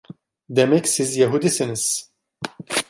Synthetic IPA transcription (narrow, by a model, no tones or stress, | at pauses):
d̪ɛmɛkʲsizjɛɦud̪isɨnɨs